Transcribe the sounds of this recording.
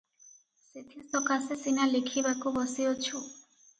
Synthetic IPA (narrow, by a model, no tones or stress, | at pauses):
set̪ʰisɔkasesinalikʰibakʰubɔsiot͡ɕʰu